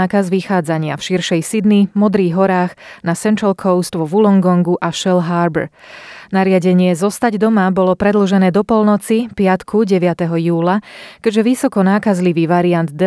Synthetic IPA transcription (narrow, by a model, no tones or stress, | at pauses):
aːkazʋixaːd͡zaɲɪafʃiɾʃɛjsid̪nimɔd̪ɾiːɣɦɔɾaːɣnasɛnt̪ɾalkʰɔʊst̪ʋɔʋulɔŋɡɔŋɡuʔaʃɛlɦaːɾbɛ̰ɾnaɾɪaɟɛɲɪɛzɔst̪aɟd̪ɔmabɔlɔpɾɛd̪l̩ʒɛnɛːd̪ɔpɔlnɔt͡sipɪat̪kʰuɟɛʋɪat̪ɛɦɔjuːlakɛɟʒɛʋisɔkɔnaːkazliʋiːʋaɾiand̪d̪ɛ